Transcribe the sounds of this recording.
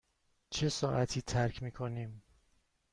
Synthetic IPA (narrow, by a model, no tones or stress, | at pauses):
t͡ʃʰe̞sɒːʔæt̪ʰiːt̪ʰæɾcʰmiːkʰo̞niːm